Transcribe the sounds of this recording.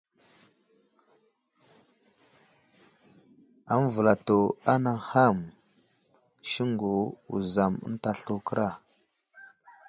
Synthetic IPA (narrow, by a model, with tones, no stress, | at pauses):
a˦m˦və˨la˨to˨a˦na˨ha˦˨m | ʃi˦ŋɡo˨ṵ˨za˨mə̰˦n˦ta˨ɬu˦kə˦ɾa˦˨